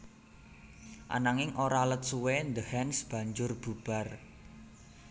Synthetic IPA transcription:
ʔa̰naŋɪŋʔoɾalət̪̚suwend̪əhɛnsb̥ä̤ɲd͡ʒʊrb̥ṳb̥a̤r

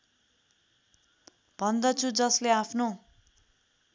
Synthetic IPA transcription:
b̥ʱʌnd̪ʌt͡sʰud͡zʌsleapʰno

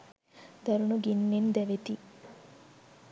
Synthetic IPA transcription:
d̪̥ɐɾunuɡinːend̪ɛʋet̪i

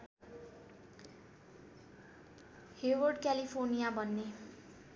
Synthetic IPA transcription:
hewʌrɖkalipʰornijabʱʌnːe

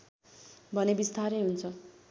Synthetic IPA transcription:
bʱʌnebist̪ʰaɾeɦunt͡sʰʌ

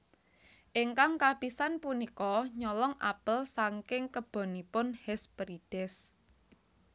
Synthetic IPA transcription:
ʔɪŋkaŋkab̥isanpunikɔɲɔlɔŋʔa̰pəlsaŋkɪŋkəb̥o̤nipʊnhɛspɾid̥ɛs

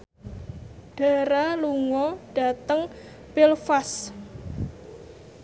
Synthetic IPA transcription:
ɖ̥a̤ɾaluŋɔɖ̥a̤t̪əŋ | pɪlfas

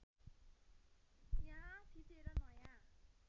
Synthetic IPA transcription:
jãsʰit̪eɾʌnʌjã

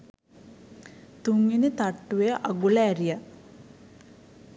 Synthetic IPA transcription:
t̪uŋɡinet̪aʈːuʋejəʔaɡulaːɾija

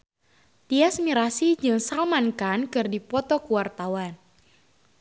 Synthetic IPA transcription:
t̪iasmiɾasid͡ʒɨŋsalmankankɨrdipɔt̪ɔkuwart̪awan

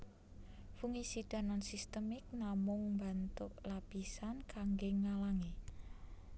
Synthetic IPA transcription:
fuŋisid̪̥a̤nansist̪əmɪk̚namʊŋmba̤nt̪ʊʔlapisankaŋɡeŋalaŋi

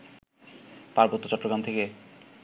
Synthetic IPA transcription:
paɾbot̪ːot͡ɕɔʈːoɡɾant̪ʰeke

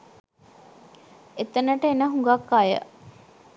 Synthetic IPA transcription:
et̪ənəʈəenəɦuŋɡakːajə̰

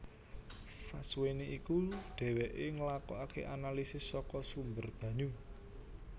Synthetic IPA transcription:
sasuweniʔikuɖ̥ɛ̤weʔeŋəlakɔakḛʔanalisɪsːɔkɔsumbərb̥ä̤ɲu

